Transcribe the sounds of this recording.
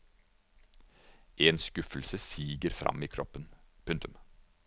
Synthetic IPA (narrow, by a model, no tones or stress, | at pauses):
ʔeːnskʉfəlsəsiːɡəɾfɾʔɑ̰miːkʰɾɔpːənpʰʉŋt̪ʉm